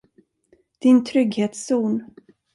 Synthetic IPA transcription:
d̪̥ɪnt̪ʰɾʏɡheːt̪suːn

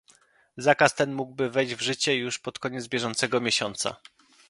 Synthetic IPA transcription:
zakast̪ɛnmuɡbɘvɛjd͡ʑvʐɘt͡ɕɛjuʂpɔt̪kɔɲɛd̪zbʲjɛʐɔnt̪sɛɡɔmʲjeɕɔnt̪sa̰

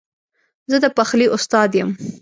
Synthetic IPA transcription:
zəd̪əpaxliʔʊst̪ɑd̪jəm

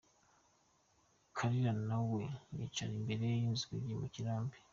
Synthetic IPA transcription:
kʰaɾiɾanawenḭt͡ʃanimbe̞ɾejjinzuɡiɾimuciɾaːmbi

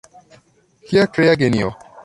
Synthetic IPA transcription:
kiakɾeaɡeniɔ̰

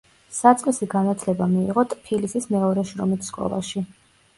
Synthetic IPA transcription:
sat̪sʼqʼisiɡanat̪ʰlɛbamiiʁɔt̪ʰʼpʰilisismɛɔɾɛʃɾɔmit̪ʰskʼɔ̰lˠa̰ʃi

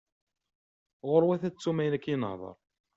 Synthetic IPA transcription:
ʁʊɾwæθæt͡sːumæjnækːjinə̰hðˤɑ̰ɾˤ

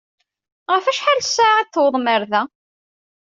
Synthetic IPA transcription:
ʁəfæʃħaɾsːaʁiθwðˤməɾðæ

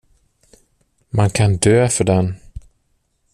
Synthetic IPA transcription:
mankʰand̪øːfœɖɛn

